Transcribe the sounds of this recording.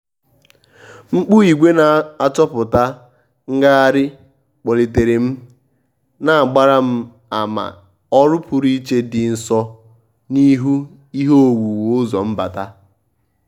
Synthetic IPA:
ŋ͡m̩˦k͡pu˦i˨ɡʷe˦na˨a˦t͡ʃɔ˦pʊ˨ta˦ | ŋ̩˦ɡa˦a˦ɾɪ˦ | k͡po˨le˨te˨ɾe˨m̩˦ | na˨a˨ɡ͡ba˦ɾa˦m̩˦ | a˨ma̰˨ | ɔ˦ɾʊ˦pʊ˨ɾi˦t͡ʃe˦dɪ˨n̩˨sɔ˦ | ni˦ɦu˦ | i˦ɦo˦o˨wʷu˨wʊ˦zɔ˨m̩˦ba̰˨ta˦

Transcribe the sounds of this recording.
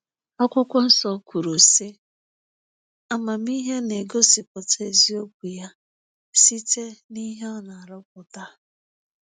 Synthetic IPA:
ɔ˦kʷʊ˦kʷɔ˦n̩˦sɔ˦kʷʰu˨ɾu˨se˦ | a˦ma˨mi˦ɦe˦ne˨ɡo˦si˨p̚ɔ˨te˨zi˦o˦k̚ʷu˨ja˦ | si˦te˦ni˦ɦe˦ɔ˦na˨a˨ɾʊ˦k̚ʷʊ˨ta˦

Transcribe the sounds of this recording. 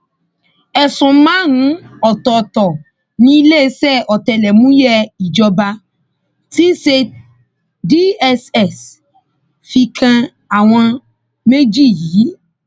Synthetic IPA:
ɛ˨sũ˨˦mã˦nũ˨˦ɔ˨tɔ˨tɔ˨ | nĩ˦i˧le˦e˦sɛ˦˨ɔ˨tɛ˨lɛ˨mũ˦jɛ˦i˨d͡ʒɔ˧ba˧ | ti˦se˧ | di˦ɛ˧sɛ˦˨s | fi˧kʰã˧ | a˨w̃ɔ̃˧ | me˦d͡ʒi˦˨jiː˨˦

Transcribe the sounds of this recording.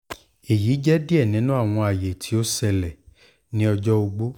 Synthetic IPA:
e˨jiː˨˦d͡ʒɛ˦di˦ɛ˦˨nĩ˨˦nũ˦a˦˨w̃ɔ̃˧a˨je˨tʰi˨˦o˦sɛ˧lɛ˨ | nĩ˦ɔ˧d͡ʒɔ˦o˧ɡ͡bo˦

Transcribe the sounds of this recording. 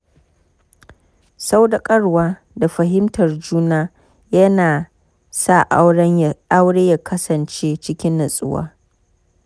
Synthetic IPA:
sa˦wda˨kʼɐ˦ɽwaː˦ | da˨ɸɐ˨ɦɪ˦mtʰɐ˨rd͡ʒuː˦naː˦ | jɐ˦naː˨ | sa˦˨ʔa˦wɽɐ˦ɲjʔa˦wɽeː˦ja˦˨kʰɐ˦sɐ˨nt͡ʃeː˦t͡ʃɪ˦kʲɪ˦nːɐ˨sʼʊ̰˦wa̰ː˦

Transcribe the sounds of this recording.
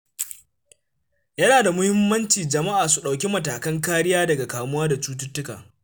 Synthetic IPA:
jɐ˦naː˨da˨mʊ˦hɪ˦mːɐ˦nt͡ʃiː˨d͡ʒɐ˨ma˦ʔaː˨su˨ɗa˨wkʲi˦mɐ˨taː˨kɐ˦ŋkaː˦ɾɪ˦jaː˦dɐ˨ɡa˨kaː˨mʊ˦waː˦da˨t͡ʃuː˦t̬ʊ˦tːʊ˦ka̰ː˨

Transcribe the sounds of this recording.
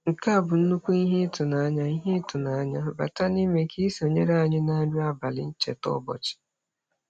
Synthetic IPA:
ŋ̩˨ka˦a˦˨bʊ˨n̩˦nu˦kʷu˦i˦ɦe˦tʊ˨na˨˦ɲa˦i˦ɦe˦tʊ˨na˨a˦ɲa˦ba̰˨ta˦ni˦me˨kʰi˦so˨ɲe˦ɾa˦a˦˨ɲɪ˦na˦dʊ˦a˦ba˨lɪ̰˨n̩˦t͡ʃḛ˨tɔ̰˦bɔ̰˨t͡ʃɪ̥˨

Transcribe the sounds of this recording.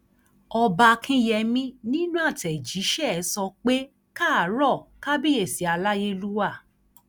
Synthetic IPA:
ɔ˧ba˧kʰĩ˦jɛ˧mĩ˦nĩ˦nũ˦a˦˨tɛ˨d͡ʒi˨˦ʃɛ˦˨˦sɔ˧k͡pe˦ | ka˦a˨˦ɾɔ˦˨ka˦bi˦e˦˨si˨a˧la˦je˧lu˦wa˦˨

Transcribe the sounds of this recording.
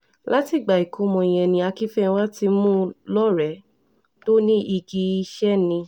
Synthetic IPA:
la˦ti˨ɡ͡ba˨i˨kʰo˨˦mɔ̃˨ɛ̃˨nĩ˧a˧ki˦fɛ̃˦wa˦ti˧mũ˦lɔ˦ɾɛ˨˦ | to˦nĩ˦ʔi˧ɡi˧˦i˧ʃɛ˦nĩ˧

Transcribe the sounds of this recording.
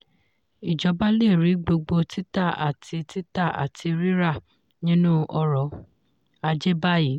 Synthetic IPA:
i˨d͡ʒɔ˧˦ba˦le˦˨ɾi˨˦ɡ͡bo˧ɡ͡bo˧ti˦ta˦˨a̰˨tʰi˧ti˦ta˦˨a̰˨tʰi˧ɾi˦ɾa˦˨ | nĩ˦nũ˦ʔɔ˧ɾɔ˨˦ | a˧d͡ʒe˦ba˦ji˨˦

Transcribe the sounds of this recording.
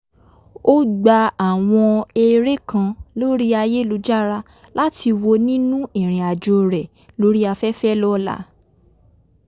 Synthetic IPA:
o˦ɡ͡ba˧a˦˨w̃ɔ̃˧e˧ɾe˦kã˧lo˦ɾi˦a˧je˦lu˧˦d͡ʒa˦ɾa˧ | la˦ti˧wo˧nĩ˦nũ˦ĩ˦˨ɾ̃ĩ˨a˨d͡ʒo˧ɾɛ˨ | lo˦ɾi˦a˧fɛ˦fɛ˦lɔ˦la̰˨˦

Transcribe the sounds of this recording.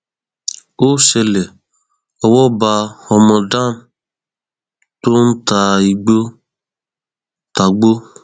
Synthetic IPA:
o˦sɛ˧lɛ˨ | ɔ˨wɔ˦ba˧ɔ˧mɔ̃˧da˦˨m˨ | to˦n̩˦ta˨i˨ɡ͡bo˦ | ta˨ɡ͡bo˦

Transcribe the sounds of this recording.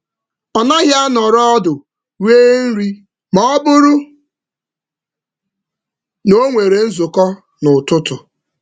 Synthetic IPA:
ɔ˨na˦ɦja˦nɔ˨ɾɔ˦dʊ˨ | weː˦n̩˦ɾi˦ | mɔ˦ɔ˦bʊ˦ɾʊ˦ | no˦ŋʷe˨ɾe˨n̩˦zʊ˨kɔ˦ | nʊ˨tʊ˦tʊ˨

